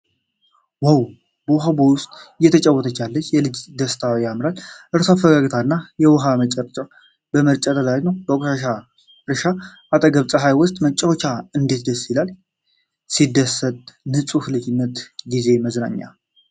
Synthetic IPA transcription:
waw | bəwɦabowʊst̪ʼjːɛt̪ʰət͡ʃʼəwɔt̪ʰət͡ʃːalːət͡ʃːjɛlɨd͡ʒd̪əst̪ʰawjamɾalʔɨɾsoafːəɡaɡt̪ʰanːajɛwɔɦamət͡ʃʼəɾt͡ʃʼaw | bəməɾt͡ʃʼat̪ʰəlajnəwbəokʼʃaʃa | ɾɨʃaʔat̪ʼəɡəβt͡sʼəɦajwʊst̪ʼmət͡ʃʼːəwot͡ʃaɨnd̪it̪d̪əsːilal | sid̪ːəsːət̪ʼnɨsʼuhlɨd͡ʒɪnːət̪ɡize̞məzna̰ɲːa̰

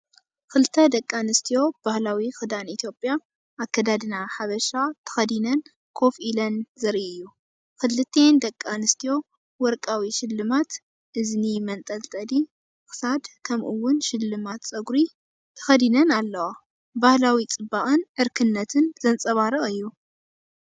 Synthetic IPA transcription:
kʰɨlɨt̪ʰːɐd̪ɐkʼːanɨst̪ʰijo̞b̥ahlawixɨd̪anit̪ʰjo̞pʼja | ʔakːɐd̪ad̪ɨnaħaβɐʃat̪ʰɐ̥xɐd̪inɐn | kʰo̞fʔilɐnzɐɾʔiɨjːu | kʰɨlɨt̪ʰːend̪ɐkʼːanɨst̪ʰijo̞ | wɔɾkʼawiʃɪlːɨmat̪ | ʔɨznimɐnt̪ʼɐlt̪ʼɐd̪i | xɨ̥sad̪kʰɐmʔɨwːʊnʃɪlːɨmat̪t͡sʼɐɡɾi | t̪ʰɐ̥xɐd̪inɐnalːɐwa | bahlawit͡sʼɨbaʔʼɨnʔɨɾkʰɨnːɐt̪ʰɨnzɐnt͡sʼɐβaɾɨχʼɨjːu

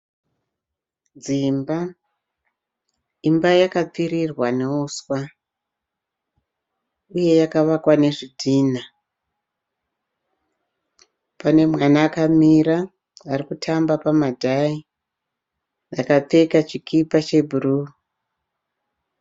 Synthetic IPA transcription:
d͡zimba | imbajakap͡fiɾirwaneuswa | uje̞jakaʋakwane̞ʐidʱiːna | pane̞mwanaːkamiɾa | arikutʰambapamadʱai | jakap͡fe̞kat͡ʃikʰipat͡ʃe̞bʱuru

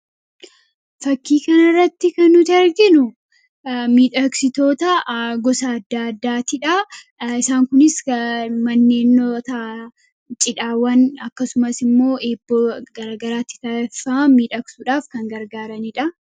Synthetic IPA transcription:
fɐkːiːkɐnɐrːɐt̪ːɪkɐnːʊt̪ɐɾɡɪnʊ | miːᶑɐksɪt̪o̞ːt̪ɐɡɔsɐːd̪ːaːɐd̪ːaːt̪ɪᶑɐ | ɪsaːŋkʊnɪsmɐnːe̞ːnːot̪a | t͡ʃʼɪᶑaːwɐnɐkːɐsʊmɐsɪmːo̞ːʔeːbːoɡɐɾaːɡɐɾaːt̪ːɪ̥t̪aːɛfɐmɐmiːᶑɐksuᶑaːfkɐŋɡɐɾɡaːɾɐniᶑɐ

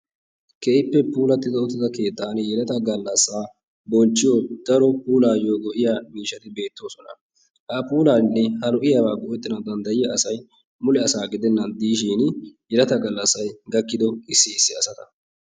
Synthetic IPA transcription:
keɪpːɛpuːlɐt̪ːɪd̪ɔɔt̪ːɪd̪ɐke̞ːt̪ːaːnjɛlɐt̪ɐɡɐlːɐsːaː | bɔnt͡ʃːɪjod̪̥ɐɾɔpuːlaːjoːɡɔʔɪjaːmiːʃːɐt̪ɪbe̞ːt̪ːo̞ːsɔnɐ | hɐpuːlaːnɪnːɛhɐlʊʔɪjɐwaːɡɔʔɛt̪ːɪnɐd̪ɐnd̪ɐjɪjɐɐsɐj | mʊlɛɐsaːɡɪd̪ɛnːɐnd̪iːʃ̬iːnjɛlɐt̪ɐɡɐlːɐsːɐjɡɐkːɪd̪ɔɪsːɪɪsːɪɐsɐt̪ɐ̥

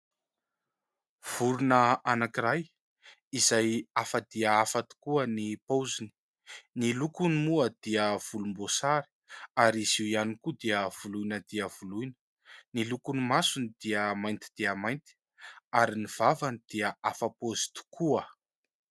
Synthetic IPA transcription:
v̥uɾunəanakiraj | izajafəd̪̥iəafat̪u̥kuənipozini | nilukunimuəd̪̥iəv̥ulumbosaɾi̥aɾiziwianikud̪iəv̥ulujnəd̪iəvulujnə̥ | nilukunimasunid̪̥iəmajnt̪i̥d̪̥iəmajnt̪i̥ | aɾiniv̥avanid̪̥iəafapozi̥t̪u̥kʰuə

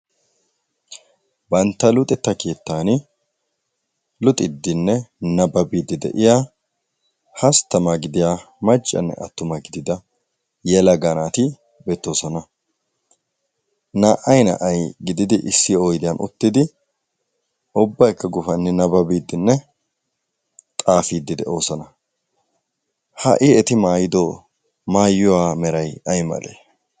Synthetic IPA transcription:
bɐnt̪ːɐlʊt̪ʼɛt̪ːɐke̞ːt̪ːaːnɪ | lʊt̪ʼɪd̪ːɪnːɛnɐbɐbiːd̪ɪd̪ɛ̰ʔɪja | hɐst̪ːɐmaɡɪd̪ɪja | mɐt͡ʃʼːɐ̰nːɛ̰ʔɐ̰t̪ːʊmɐɡɪd̪ɪd̪ɐ | jɛlɐɡɐnaːt̪ɪ | beːt̪ːoːsɔnɐ | naːʔɐjnɐ̰ʔɐjɡɪd̪ɪd̪ɪʔɪsːɪoːjd̪ɪjɐnʔʊ̰t̪ːɪd̪ɪ | ʔʊbːɐjkːɐɡʊfɐnːɛnɐbɐbiːd̪ːɪnːɛ | t̪ʼaːfiːd̪ːɪd̪ɛʔo̞ːsɐnɐ | hɐ̰ʔɪɛt̪ɪmaːjɪd̪ɔ | maːjʊwaːmɛɾɐjɐjmɐ̰lḛː

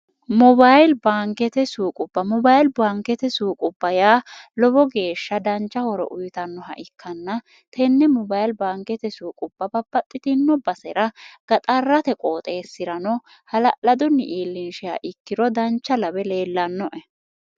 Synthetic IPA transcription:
mɔbajlbaːŋkɛt̪ɛsuːkʼʊbːɐmɔbajlbaːŋkɛt̪ɛsuːkʼʊb̥ːɐjaːlɔbɔɡe̞ːʃːɐd̪ɐnt͡ʃːɐhɔɾɔ̰ʔʊjt̪ɐnːɔɦɐ̰ʔɪkʰːɐnːɐ | t̪ʰɛnːɛmɔbajlbaːŋkɛt̪ɛsuːkʼʊb̥ːɐbɐbːɐt̪ʼːɪt̪ɪnːɔbɐsɛɾɐɡ̥ɐt̪ʼɐrːɐt̪ɛkʼoːt̪ʼe̞ːsːɪɾɐnɔ | hɐlɐʔlɐd̪ɔnːɪ̰ʔiːlːɪnʃɪja̰ʔɪkːɪɾɔd̪ɐnt͡ʃːɐlɐbɛle̞ːlːɐnːɔʔɛ

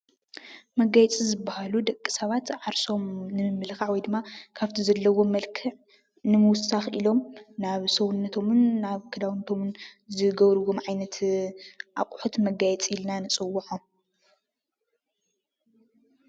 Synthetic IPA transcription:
mɐɡajɛt͡sʼizɨbːahalud̪ɐkʼːi̥sɐβat̪ʕaɾso̞mnɨmɨmːɨlxaʕwɔjd̪ɨmːakʰaβt̪ʰizɐlːɐwo̞mɐlkʰɨʕ | nɨmɨwʊsːaxilo̞mnaβsɐwunːɐt̪ʰo̞mɨnːaβkʰɐd̪awnːɐt̪ʰo̞mɨnzɨɡɐβɾɨwomʕajnɐt̪ʰ | ʔakʼħut̪mɐɡajɛt͡sʼilnanɨt͡sʼɨwːuħom

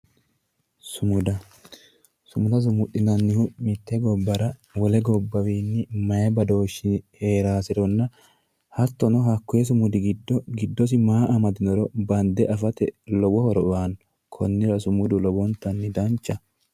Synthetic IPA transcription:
sʊmʊd̪ɐ | sʊmʊd̪ɐs̬ʊmʊt̪ʼːɪnɐnːɪhʊmɪt̪ːɛɡɔbːɐɾɐwɔlɛɡɔbːɐwiːnːɪmɐjɐbɐd̪o̞ːʃːɪnhe̞ːɾaːsɪɾɔnːɐ | hɐt̪ːɔnɔɦɐkːʊɛs̬ʊmʊd̪ɪɡɪd̪ːɔɡɪd̪ːɔs̬ɪmaːʔɐmɐd̪ɪnɔɾɔbɐnd̪ɛʔɐfɐt̪ɛlɔbɔhɔɾɔʊwan | kʰɔnːɪɾɐsʊmʊd̪ʊlɔbɔnt̪ːɐnːɪd̪ɐnt͡ʃːɐ

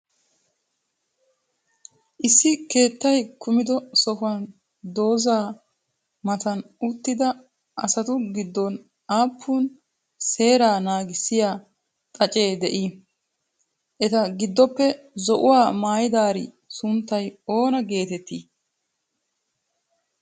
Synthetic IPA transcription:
ʔɪsːɪke̞ːt̪ːɐjkʊmɪd̪ɔsɔfʊɐn | d̪o̞ːzaː | mɐt̪ɐnʊt̪ːɪd̪ɐ | ʔɐsɐt̪ʊɡɪd̪ːɔn | aːpʰːuːn | se̞ːɾaːnaːɡɪsːɪjaː | t̪ʼɐt͡ʃʼe̞ːd̪ɛʔi | ʔɛt̪ɐɡɪd̪ːɔpːɛ | zɔʔʊwaːmaːjɪd̪aːɾḭ | sʊnt̪ːɐjo̞ːnɐɡe̞ːt̪ɛt̪ːi

